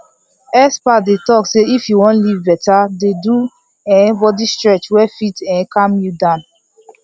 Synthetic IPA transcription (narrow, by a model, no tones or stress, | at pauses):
ɛspadetɔkseifjuwɔ̃nlivbɛtadedu | ɛ̃bɔdistɹɛt͡ʃwɛfitɛ̃kãmjudãn